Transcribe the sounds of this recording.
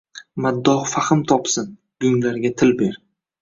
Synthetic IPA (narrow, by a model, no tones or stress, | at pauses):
mad̪ːɒhfaχɪmt̪ʰɒpsɪn | ɡʊŋlaɾɡʲat̪ʰɪlbe̞ɾ